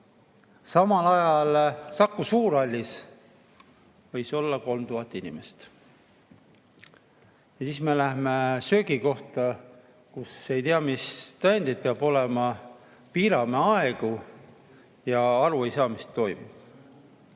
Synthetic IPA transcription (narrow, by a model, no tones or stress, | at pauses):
sɑmɑlɑjɑlsɑkːˑusuːɾɑlʲːis | vɤjso̞lːɑko̞lmt̪uɦɑt̪ːˑinḭmest̪ | jɑsiːsmelæhmesø̞ːɡiko̞ht̪ɑ | kuse̞jt̪eɑmist̪ɑend̪id̪̚peɑb̥o̞lemɑ | piːɾɑmeɑeɡ̥u | jɑɑɾue̞jsɑːmist̪ːo̞jmṵ̥